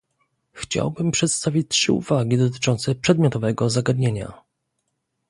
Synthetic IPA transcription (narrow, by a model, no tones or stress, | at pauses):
xt͡ɕa̰wbɘmpʂɛt̪st̪avʲit͡ɕtʂɘ̰ṵvaɡʲid̪ɔt̪̬ɘ̥t͡ʂɔnt̪sɛpʂɛd̪mjɔt̪ɔvɛɡɔzaɡad̪ɲeɲa̰